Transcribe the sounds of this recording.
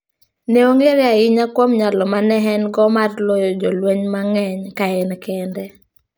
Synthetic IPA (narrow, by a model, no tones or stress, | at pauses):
neoŋeɾjaɪɲakwomɲalɔmanɛɦɛnɡɔmarlɔjɔd͡ʒɔlweɲmaŋɛɲkaɛnkɛndɛ